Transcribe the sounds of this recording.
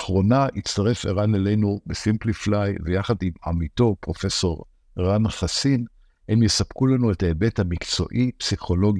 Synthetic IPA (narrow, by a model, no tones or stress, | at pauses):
χʁo̞naʔit͡staʁe̞feʁanelejnubesimpliflajvejaχadima̰mito̞pʁo̞fe̞so̞ʁ | ʁanχasin | hemjesab̥kulanuetaebe̞thamikt͡so̞̰ʔipsiχo̞lo̞ɡi